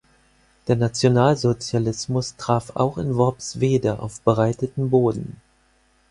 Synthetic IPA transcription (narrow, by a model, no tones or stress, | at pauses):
d̥eːɐnat͡sjonaːlzot͡sjalɪsmʊstʁ̥aːfa̰ʊxɪ̰nvɔpsv̥eːdəʔa̰ʊfb̥əʁaɪtətm̩boːdn̩